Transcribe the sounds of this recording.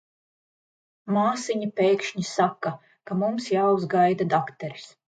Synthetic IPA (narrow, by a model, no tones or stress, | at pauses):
maːsiɲapʲɛjkʃɲisaka | kamumsjaːwzɡajd̪ad̪akt̪ɛɾis